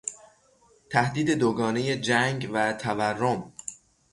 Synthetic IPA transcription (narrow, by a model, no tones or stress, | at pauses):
t̪ʰæhd̪iːd̪e̞d̪oɡɒːne̞je̞d͡ʒæŋɡvæt̪ʰæværːom